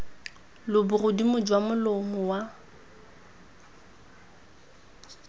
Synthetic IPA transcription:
lʊbʊrʊdimʊd͡ʒwamʊlomʊwa

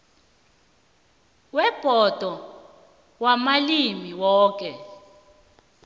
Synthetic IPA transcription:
wɛb̥ʱɔd̥ʱɔ | wamalimiwɔːk̬ʼɛ

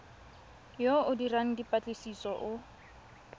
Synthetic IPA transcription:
joʊdiraŋ̩dipʼat͡ɬʼesisɔʔʊ

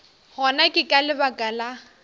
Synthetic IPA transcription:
hɔnakʼɪkʼalɪbakʼala

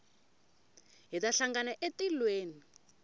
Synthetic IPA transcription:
ɦitaɬaŋɡanaʔetilweːni

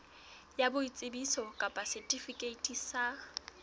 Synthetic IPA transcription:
jabʊit͡sʼɪbisɔkʼapʼasɛtʼifikʼeitʼisa

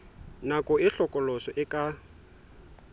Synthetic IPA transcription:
nakʼɔɪɬɔkʼɔlɔsɔʔɪkʼa

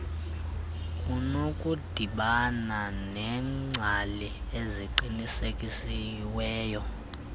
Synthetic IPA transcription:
kʼunokʼud̥ʱiɓananɛŋ͡ǀʱalieziǃinisekʼisiwɛːjɔ

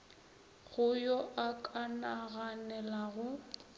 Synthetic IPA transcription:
ɣʊjɔʔakʼanaɣanɛlaɣʊ

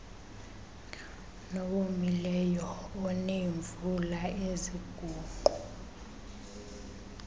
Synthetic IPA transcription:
nɔɓomilɛjɔːneɱvulaeziɡ̥ʱuːǃʱu

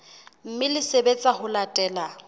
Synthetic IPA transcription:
m̩mɪlɪsebet͡sʼahʊlatʼɛːla

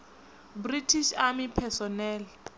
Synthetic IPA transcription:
britʰiʃamipʰɛsɔnɛːl

